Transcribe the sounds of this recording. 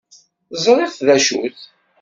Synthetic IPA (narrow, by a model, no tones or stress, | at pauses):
zˤɾˤɪθðæʃṵθ